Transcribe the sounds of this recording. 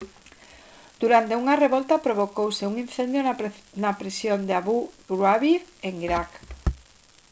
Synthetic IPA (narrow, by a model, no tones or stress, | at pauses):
d̪̥uɾant̪euŋareβɔlt̪apɾoβ̞okowseuŋinθend̪jonɐpɾesjond̪eaβuɡɾwaβiɾeŋiɾak